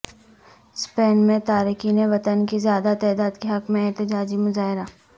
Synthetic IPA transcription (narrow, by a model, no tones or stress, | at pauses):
speːnmẽt̪aːɾiːkiːneʋɐt̪ənkizjaːd̪at̪ɛːd̪aːd̪keɦɐkmẽɛːt̪ɪd͡ʒaːd͡ʒimʊzaːɦɪɾaː